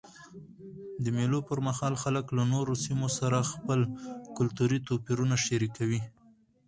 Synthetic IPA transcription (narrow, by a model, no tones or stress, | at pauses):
d̪əmelopəɾmahɑlxaləklanoɾosimosaɾaxpəlkʊlt̪uɾit̪opiɾunaʃaɾikawi